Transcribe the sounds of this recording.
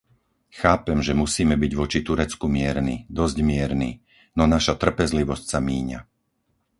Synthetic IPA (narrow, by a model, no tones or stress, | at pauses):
xaːpɛmʒɛmusiːmɛbiɟʋɔt͡ʃit̪uɾɛt͡skumɪɛɾnid̪ɔzɟmɪɛɾniː | nɔnaʃat̪r̩pɛzliʋɔscsamiːɲa̰